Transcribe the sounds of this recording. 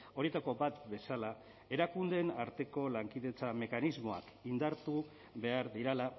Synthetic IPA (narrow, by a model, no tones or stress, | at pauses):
o̞ɾie̞t̪ako̞bat̪be̞sala | e̞ɾakund̪e̞naɾt̪e̞ko̞laŋkiðe̞t͡same̞kanizmo̞a̰kind̪aɾt̪u | βe̞aɾðiɾela